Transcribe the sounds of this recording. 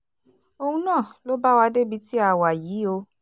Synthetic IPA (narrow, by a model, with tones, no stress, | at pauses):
o˧hũ˧nãː˦˨lo˦ba˦wa˧de˦bi˧ti˦a˦˨wa˨jiː˨˦o˧